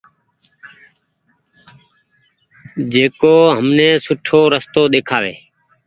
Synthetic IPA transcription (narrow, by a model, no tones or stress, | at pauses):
d͡ʒeːkoːɦəmneːsʊʈʰoːɾəst̪oːɗ̪eːkʰaːʋḛː